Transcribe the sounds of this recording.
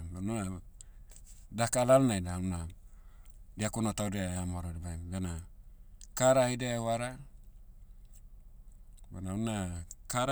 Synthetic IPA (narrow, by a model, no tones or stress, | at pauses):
benoa | dakalalnajdauna | diakunotaudeaamoɾodibajmbena | kaɾaidewaɾa | benaunakaɾ